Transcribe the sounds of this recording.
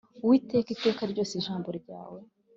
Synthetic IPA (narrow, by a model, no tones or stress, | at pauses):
uwiːte̞ːkite̞ːkaɾɟo̞ːsiʒaːmbuɾɾɟa̰ːwe